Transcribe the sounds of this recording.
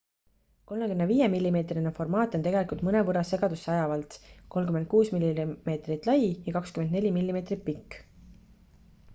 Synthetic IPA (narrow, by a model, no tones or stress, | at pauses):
ko̞lmekymneviːjemilʲːime̞ːt̪rinefo̞rmɑːt̪ːˑo̞nt̪e̞ɡe̞likult̪mɤne̞vɤɾɑse̞ɡ̥ɑd̪usːeɑjɑvɑlt̪ko̞lmkymend̪̚kuːsmilʲːime̞ːt̪rit̪ˑlɑjjɑkɑkskymend̪ne̞lʲimilʲːime̞ːt̪rit̪̚pikː